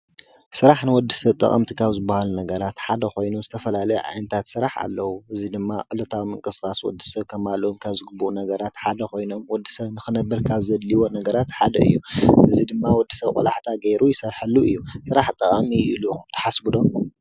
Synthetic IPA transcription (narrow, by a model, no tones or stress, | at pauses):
sɨɾaħnɨwɔd̪ːisɐβt̪ʼːɐ̰χʼɐ̰mt̪ʰikʰaβzɨbːahalunɐɡɐɾat̪ħad̪ɐkʰo̞jnomzɨt̪ʰɐfɐlalɐjɛ̰ʕa̰jnɐt̪ʰat̪sɨɾaħa̰lːɐwuʔɨzid̪ɨmːaʔʼɨlɨt̪ʰawimɨŋkʼɨsxaswɔ̰d̪ːɨsɐβkʰɐmalomkʰaβzɨɡɨbːuʔunɐɡɐɾat̪ħad̪ɐkʰo̞jno̞mwɔd̪ːɨ̥sɐβnɨxɨnɐbːɐɾkʰaβzɐd̪liwo̞nɐɡɐɾat̪ħad̪ɐ̰ɨ̰jːuʔɨ̰zid̪ɨmːawɔd̪ːi̥sɐβkʼɔ̰laħt̪ʰaɡeɾʔujɪsɐɾħalːuɨjːusɨɾaħt̪ʼːɐχʼamiiluɨt̪ʰɐ̥ħasbɨd̪o̞